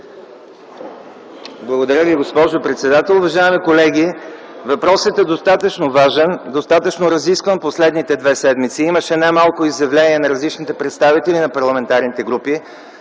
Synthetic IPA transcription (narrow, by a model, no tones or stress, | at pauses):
blˠɐɡod̪ɐɾʲjəviɡospɔʒopɾɛt̪sɛd̪at̪ɛlˠʊvɐʒaimikolɛɡ̟i | vɐpɾɔsət̪ɛd̪ost̪at̪ət͡ʃnovaʒɛnd̪ost̪at̪ət͡ʃnoɾɐziskvənposlɛd̪nit̪ɛd̪vɛsɛd̪mit̪siiməʃɛnajmalˠkʊizjɐvlɛniɛnɐɾɐzlit͡ʃnit̪ɛpɾɛt̪st̪avit̪ɛlinɐpɐɾlˠɐmɛnt̪aɾnit̪ɛɡɾupi